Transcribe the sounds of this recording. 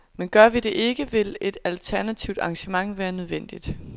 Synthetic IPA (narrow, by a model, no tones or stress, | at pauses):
menɡ̥ɶɐʋid̥e̝ʔe̝ɡ̥əʋe̝le̝d̥ælt͡sʰæɐnæt͡sʰiʊd̥ɑ̈ŋɕəmɑ̈ŋ̰ʋæːɐnøð̞ˠʋen̰d̥id̥